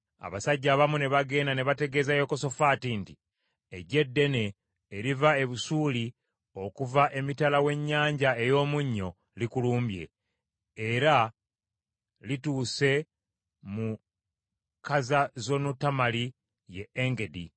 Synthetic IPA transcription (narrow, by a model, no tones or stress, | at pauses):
a̰βasaɟːaːβamune̞βaɡe̞ːndane̞βate̞ɡe̞ːzajo̞ko̞so̞faːtinti | eɟe̞dːe̞ne̞ː | ɾivae̞βusuːli | o̞kuvaʔe̞mitalawe̞ɲːaːɲɟae̞jo̞ːmuɲːo̞ | likuluːmbje̞̰ | eɾa | lituːse̞ | mu | kazazo̞nutːamali | je̞ːŋɡe̞dḭ